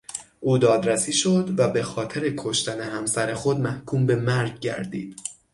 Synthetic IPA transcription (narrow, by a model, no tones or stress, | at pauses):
ʔuːd̪ɒːd̪ɾæsiːʃo̞d̪væbe̞xɒːt̪ʰe̞ɾe̞kʰoʃt̪æne̞ɦæmsæɾe̞xo̞d̪mæhkʰuːmbe̞mæɾɟɟæ̰ɾd̪ḭːd̪̥